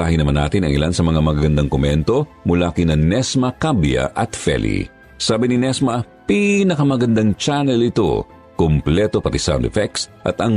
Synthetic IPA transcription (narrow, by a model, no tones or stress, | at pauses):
aːhɪnɐmanːa̰ːt̪ɪnɐ̰ŋɪ̰lansɐmɐŋamɐɡaɡɐnd̪aŋkomɛnt̪o̞ | mʊlaːkinɐnɛsmɐkabjɐ̰ʔɐt̪fɛ̰lḭ | saːbininɛsmɐ | pinɐkɐmɐɡɐnd̪aŋt͡ʃanɛlɪt̪o̞̰ | komplɛt̪o̞pɐt̪isa̰wnd̪ɛfɛksʔɐ̰t̪ɐŋ